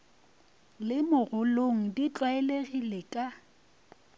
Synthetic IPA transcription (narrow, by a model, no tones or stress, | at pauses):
lɪmʊɣʊloŋ̩dit͡ɬʼwaɛleɣilekʼa